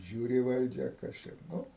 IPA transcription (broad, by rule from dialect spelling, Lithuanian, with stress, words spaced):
ˈʒʲuːrʲɪ ˈʋɐlʲd͡ʒʲɛ ˈkɐs t͡ʃʲɛ ˈnʊ